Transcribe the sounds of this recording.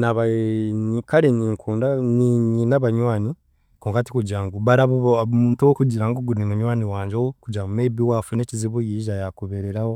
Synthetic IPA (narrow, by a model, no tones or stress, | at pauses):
naβaɲikaɾeɲiːŋkʰuːndaniɲinaβaɲwaːni | koːŋkati̥kuɟaːŋɡuβaɾaβomuːntuwokuɟiɾaŋɡoɡunimuɲwaːniwaːɲd͡ʒowokuɟamumeβiwafune̞ːciziβojiʒajakuβeɾeɾaho